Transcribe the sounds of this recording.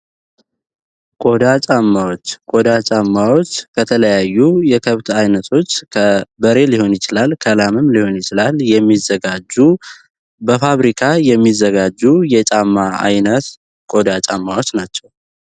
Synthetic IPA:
kʼo̞d̪at͡ʃʼamːawot͡ʃːkʼo̞d̪at͡ʃʼamːawot͡ʃːkʰət̪ʰələjajːujɛkʰəβt̪ʰajnət̪ʰo̞t͡ʃːkʰəbəɾe̞liho̞njɪt͡ʃɪlalkʰəlamɨmliho̞njɪt͡ʃɪlaljɛmːizːəɡad͡ʒu | bəfaβɾikʰajɛmːizːəɡad͡ʒːujɛt͡ʃʼamːaa̰jnət̪ | kʼo̞d̪at͡ʃʼamːawo̞t͡ʃːnat͡ʃːɛw

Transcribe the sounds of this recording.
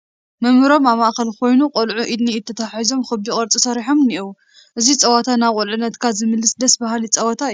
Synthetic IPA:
mɨmɨɾo̞maβmaʔxɐlkʰo̞jnuqʼolʕuʔid̪niːt̪ʰːɐt̪ʰaħizo̞mxɨbikʼɐɾt͡sʼisɐɾiħomniʔiw | ʔɨzit͡sʼɐwat̪ʰanaqʼolʕɨnːɐt̪kʰazɨmɨlːɨsd̪ɐsbahalit͡sʼɐwɐt̪ʰa

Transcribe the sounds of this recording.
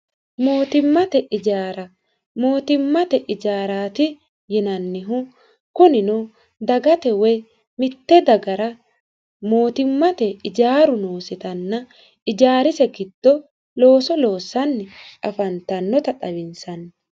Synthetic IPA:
moːt̪ɪmːɐt̪ɛʔɪd͡ʒaːɾɐ | moːt̪ɪmːɐt̪ɛʔɪd͡ʒaːɾaːt̪ɪ | jɪnɐnːɪɦʊ | kʊnɪnɔ | d̪ɐɡɐt̪ɛwɛj | mɪt̪ːɛd̪ɐɡɐɾɐ | mo̞ːt̪ɪmːɐt̪ɛɪd͡ʒaːɾʊno̞ːsɪt̪ɐnːɐ | ɪd͡ʒaːɾɪsɛkɪt̪ːɔ | lo̞ːsɔlo̞ːsːɐnːɪʔɐfɐnt̪ɐnːɔt̪ɐᶑɐbɪnsɐnː

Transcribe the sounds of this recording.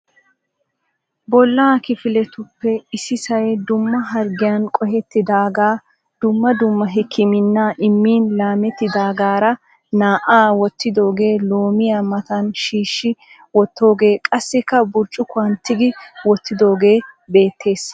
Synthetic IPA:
bɔlːaːkɪfɪlɛt̪ʊpːɛɪsɪsɐjd̪ʊmːɐɦɐɾɡɪjɐnkʼɔɦɛt̪ːɪd̪aːɡaː | d̪̥ʊmːɐd̪ʊmːɐɦɪkʰːɪmɪnːaːʔɪmːiːnlaːmɛt̪ːɪd̪aːɡaːɾɐ | naːʔaːwɔt̪ːɪd̪o̞ːɡe̞ːlo̞ːmɪjamɐt̪ɐnʃiːʃːɪ | wɔt̪ːo̞ːɡe̞ːkʼɐsːɪkːɐbʊɾt͡ʃʼːʊkʊɐnt̪ːɪɡɪwɔt̪ːɪd̪o̞ːɡe̞ːbe̞ːt̪ːe̞ːs

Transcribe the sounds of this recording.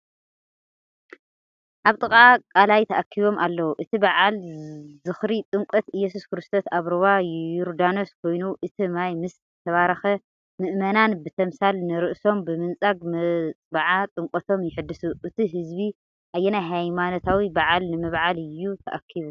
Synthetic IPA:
ʔaβt̪ʼɨkʼakʼalajt̪ʰɐʔakʰːiβo̞mʔalːɐwuʔɨt̪ʰibaʕalzɨxɾit̪ʼɨŋkʼɐt̪ɨjːɛs̬uskɨɾɨst̪ʰo̞saβɾɨβauɾd̪ano̞skʰo̞jnuʔɨt̪ʰimajmɨszɨt̪ʰɐβaɾɐxɐ | mɨʔmɐnanbɨt̪ʰɐmsalnɨɾɨʔso̞mbɨmɨnt͡sʼaɡmt͡sʼbaʕat̪ʼɨŋkʼɐt̪ʰo̞mjɪħɨd̪ːɨsuʔɨt̪ʰiɦɨzbi | ʔajːɛnajɦajmano̞t̪ʰawibaʕalnɨmɨβʕalɨjːut̪ʰɐ̰ʔakʰːiβu

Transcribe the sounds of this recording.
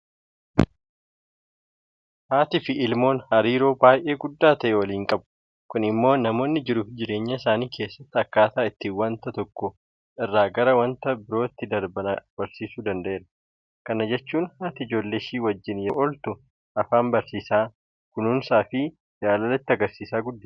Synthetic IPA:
haːt̪ɪfɪʔɪlmo̞ːnhɐɾiːɾo̞ːbaːjʔe̞ːɡʊd̪ːaːt̪ɐʔɛwɐliːŋkʼɐbʊ | kʊnɪmːo̞ːnɐmo̞ːnːɪd͡ʒɪɾʊd͡ʒɪɾe̞ːɲːɐɪsaːniːkʰe̞ːsːɐt̪ːɪɐkːaːt̪aːɪt̪ːɪwɐnt̪ɐt̪ɔkːɔ | ʔɪrːaːɡɐɾɐwɐnt̪ɐbɪɾoːɪt̪ːɪd̪ɐɾbɐnɐb̥ɐɾsiːsuːd̪ɐnd̪ɐʔe̞ːɾɐ | kɐnɐd͡ʒɛt͡ʃːuːnhaːt̪ɪɪd͡ʒo̞ːlːeːʃiːwɐd͡ʒːɪnjɔʔɔlt̪ʊ | ʔɐfaːmbɐɾsiːsaː | kʊnʊnsaːfɪ | d͡ʒaːlɐlɐt̪ːɪɐɡɐɾsiːsaːɡʊd̪ːɐ

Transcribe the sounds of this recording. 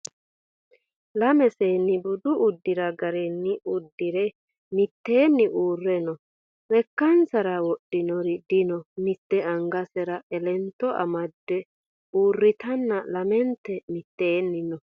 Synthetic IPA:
lɐmɛseːnːɪbʊd̪ʊʔːd̪ːɪɾɐɡɐɾɛnːɪʊd̪ːɪɾɛ | mɪt̪ːe̞ːnːɪʔuːrːɛnɔ | lɛkːɐnsɐɾɐwɔɗːɪnɔɾɪd̪ɪnɔmɪt̪ːɛʔɐŋɡɐsɛɾɐɛlɛnt̪ːɔʔɐ̰mɐd̪ːɛ | uːrːɪt̪ɐnːɐlɐmɛnt̪ːɛmɪt̪ːeːnːɪnɔ

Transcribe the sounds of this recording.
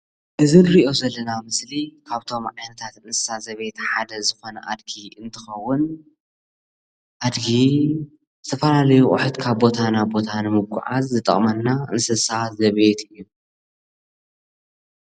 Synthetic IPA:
ʔɨzɨnɾiʔo̞zɐlːɐnamɨslikʰaβt̪ʰo̞mʕajnɐt̪ʰat̪ʔɨnsɨ̥sazɐβe̞t̪ħad̪ɐzɨxo̞nɐ̰ʔad̪ɡiɨnt̪ʰɨxɐwːʊn | ʔad̪ɡi | zɨt̪ʰɐfɐlalɐjukʼʊ̰ħɨt̪kʰaβbo̞t̪ʰanabo̞t̪ʰanɨmɨβ̚kʷʼʊ̰ʕa̰zzɨt̪ʼɐ̰χʼmɐnːaʔɨnsɨsazɐβet̪ɨjːu

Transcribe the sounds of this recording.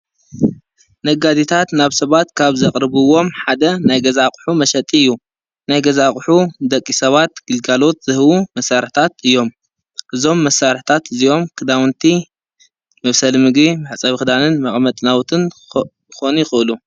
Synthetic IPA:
nɐɡad̪it̪ʰat̪naβsɐβat̪kʰaβzɐkʼɾɨβɨwo̞mħad̪ɐnajɡɐzakʼħumɐʃɐt̪ʼiɨjːu | najɡɐzakʼħud̪ɐkʼːisɐβat̪ɡ̥ɨlɡalo̞t̪̚z̥ɨhɨwumɐsːaɾħt̪ʰat̪ɨjːo̞m | ʔɨzo̞mːɐsːaɾħt̪ʰat̪ɨzio̞mkʰɨd̪awnt̪ʰi | mɐβsɐlmɨɡbimɨħt͡sʼɐβxɨd̪anɨnmɐχʼmɐt̪ʼnawt̪ʰɨn | xo̞nuxɨʔɨlu

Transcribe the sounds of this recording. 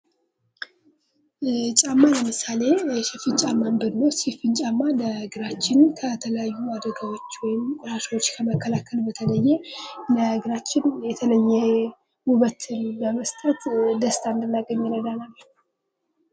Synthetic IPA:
t͡ʃʼamːaləmɨsale̞ʃɛfint͡ʃʼamːambɨnːəwsifɨnt͡ʃʼamːaləɨɡɨɾat͡ʃːɪnkʰət̪ʰələjajːuad̪əɡawo̞t͡ʃːwɔjɪmkʼɾaʃwot͡ʃːkʰəməkʰːəlakʰəlbət̪ʰələjːɛləhɨɡɨɾat͡ʃːɪnjɛt̪ʰələjːɛ | wuβət̪ʰɨnbəməst̪ʼət̪d̪əst̪ʰand̪ɨnːaɡəɲːɪɾəd̪analː

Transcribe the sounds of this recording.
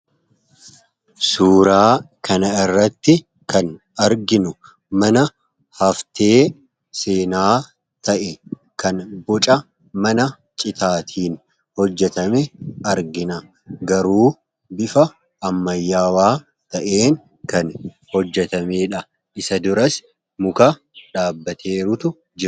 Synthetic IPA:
suːɾaː | kʰɐnɐɪrːɐt̪ːɪ | kɐn | ɐɾɡɪnʊ | mɐnɐ | hɐft̪eː | seːnaː | t̪ʰɐʔɛ | kɐnbɔt͡ʃʼɐ | mɐnɐ | t͡ʃʼɪt̪ʰaːt̪ʰiːn | hɔd͡ʒːɛt̪ɐmɛɐɾɡɪnɐ | ɡɐɾuː | bɪfɐː | mːɐjːaːwaː | t̪ɐʔe̞ːn | kɐn | hɔd͡ʒːɛt̪ɐmeːᶑɐ | ʔɪsɐd̪ʊɾɐs | mʊkɐ | ᶑaːbːɐt̪ʰeːɾʊt̪ʊ | d͡ʒɪ

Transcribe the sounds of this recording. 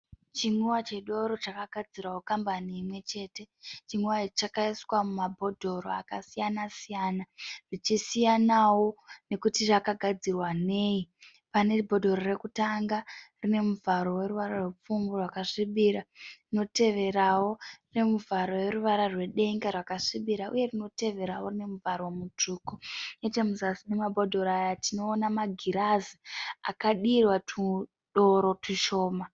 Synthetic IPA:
t͡ʃiŋuwat͡ʃeɗo̞ɾo̞t͡ʃakaɡʱad͡zirawokambaniːmwe̞t͡ʃe̞ːte̞t͡ʃiŋuwait͡ʃakaiswamumabʱo̞dʱo̞ɾo̰akasijanasijaːnaʐ̥it͡ʃisijanawo̞ne̞kutiʐakaɡʱad͡zirwane̞ːji | pane̞bʱo̞dʱo̞ɾoɾe̞kutaŋɡarine̞muvaɾo̞we̞ɾuʋaɾarwep͡fuŋɡorwakaʂiɓiɾarino̞te̞ʋe̞ɾawo̞rine̞muvaɾo̞we̞ɾuʋaɾarwe̞ɗe̞ŋɡerwakaʂiɓiɾaʔṵje̞rino̞te̞ʋe̞ɾawo̞rine̞muvaɾowemut͡ʂuːkoetemuzasinemabʱo̞dʱo̞ɾajatino̞ːnamaɡʱiɾazia̰kaɗirwatu | ɗo̞ɾo̞tuʃo̞ːma

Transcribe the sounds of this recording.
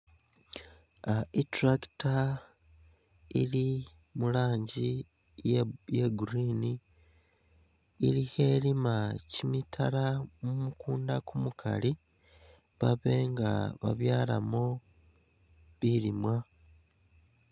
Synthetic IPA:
aitɾaki̥ta | ḭli | mulaːɲɟi | jjeɡuɾiːni | lihe̞ːlimacimitʰalamumukuːndakumukʰa̰li | βaβe̞ŋɡa̰βa̰βjaːla̰mo | βiɾimwa

